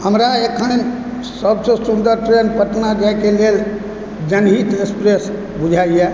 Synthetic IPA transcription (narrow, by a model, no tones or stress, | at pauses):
ɦəmɾaekʰən | səbsesund̪əɾʈɾenpəʈnad͡ʒaɪkelel | d͡ʒənɦit̪ekspɾes | bud͡ʒʱaijɛ